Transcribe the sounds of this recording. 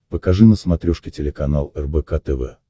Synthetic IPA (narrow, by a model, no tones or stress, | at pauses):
pəkɐʐɨnəsmɐt̪ɾʲɔʂkʲɪtʲɪlʲɪkɐnalˠɛrbɛkat̪ɛvɛ̰